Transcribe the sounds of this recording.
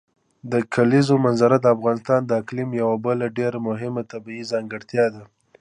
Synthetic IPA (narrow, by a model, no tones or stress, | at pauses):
d̪əkʰalizomanzaɾad̪əafɣɑnɪst̪ɑnd̪əɪklimjawabəlaɖeɾamʊɦɪmat̪abiizɑŋɡəɽt̪jɑd̪a